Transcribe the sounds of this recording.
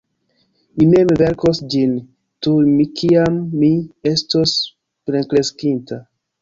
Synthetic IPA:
mine̞mve̞ɾkosd͡ʒin | tumikʰiamːie̞stos | pɾekɾe̞skintʰa

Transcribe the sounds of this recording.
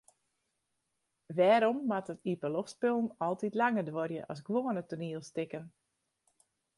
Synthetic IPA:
ʋɛːɾɔmːatətipəlofspølˠn̩ɔlˠtitlaŋədʋorjə̰ʔɑsɡʋoːənətuniəlˠstɪkən

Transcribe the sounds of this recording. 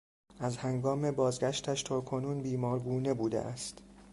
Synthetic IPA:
æzhæŋɡɒːme̞bɒːzɡæʃt̪ʰæʃt̪ʰɒːkʰo̞nuːnbiːmɒːɾɡuːne̞buːd̪ḛʔæst̪

